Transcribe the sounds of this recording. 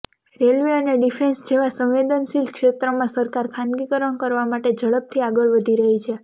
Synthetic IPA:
ɾelʋeəneɖifʰensd͡ʒeʋãsə̃wʋed̪ənʃilkʃet̪ɾəmãsəɾkaɾkʰãnɡikəɾəɳkəɾʋamaʈed͡ʒəɭəp̚t̪ʰiaɡəɭʋəd̪ʱiɾəɦit͡ʃʰe

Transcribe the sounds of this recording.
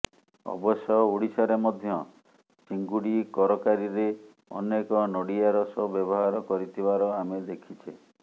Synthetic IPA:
ɔ̰bɔsjɔuɽisɔɾemɔd̪ʱjɔ | t͡ʃiŋɡuɽikɔɾɔkaɾiɾe | ɔ̰nekɔnɔɽiaɾɔsɔbjɔbɔɦaɾɔkɔɾit̪ʰibaɾɔamed̪ekʰit͡ʃʰe

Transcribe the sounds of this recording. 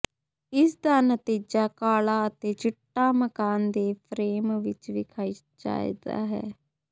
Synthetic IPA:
ɪsd̪aːnət̪iːd͡ʒaːkaːlaːət̪eːt͡ʃɪʈːaːməkaːnd̪eːpʰɾeːmʋɪt͡ʃʋiːkʰaːiː | d͡ʒa̰ːḭːd̪a̰ːɦɛ̰ː

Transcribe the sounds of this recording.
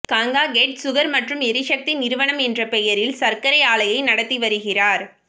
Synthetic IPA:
kaːŋɡaːɡeʈsʊɣɐɾmɐʈrɯmɪɾɪʂɐk̚t̪inɪɾɯʋɐɳɐmɛndrɐpɛjɐɾɪlsɐɾkɐɾɐɪaːlɐjɐɪnɐɽɐt̪ːiʋɐɾɯɣɪraːɾ

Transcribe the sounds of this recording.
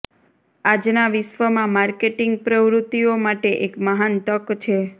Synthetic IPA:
ad͡ʒnaʋɪʃʋəmãmaɾkeʈɪŋɡ̚pɾəʋɾut̪iomaʈeʔekməɦant̪əkt͡ʃʰe

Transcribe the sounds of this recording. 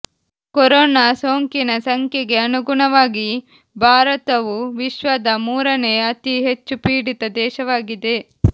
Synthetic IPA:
kɔɾoːnaːso̞ːŋkinɐsɐŋkjeɡe̞ɐnuɡuɳɐʋaːɡi | bʱaːɾɐt̪ɐʋuʋiʃʋɐd̪ɐmuːɾɐne̞ɐt̪iɦet͡ʃːupiːɽit̪ɐd̪ɛːʃɐʋaːɡid̪e̞

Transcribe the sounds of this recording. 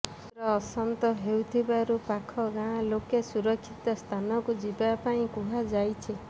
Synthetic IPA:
ɾɔːsɔnt̪ɔɦewt̪ʰibaɾupakʰɔɡãlokesuɾɔkʰːit̪ɔst̪ʰanɔkud͡ʒibapaĩkuɦad͡ʒajt͡ʃʰi

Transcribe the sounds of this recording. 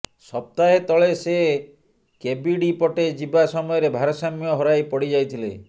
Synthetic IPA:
sɔp̚t̪aɦet̪ɔɭese | kebiɖipɔʈed͡ʒibasɔmɔjɔɾebʱaɾɔsamjɔɦɔɾajpɔɽid͡ʒajt̪ʰilḛ

